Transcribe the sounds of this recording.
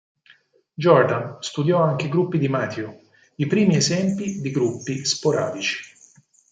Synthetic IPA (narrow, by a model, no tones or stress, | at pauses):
d͡ʒɔɾd̪anst̪ud̪jɔaŋkeɡɾupːid̪imaːt̪ʰjo | ipɾiːmiezɛmpid̪iɡɾupːispoɾa̰ːd̪it͡ʃi̥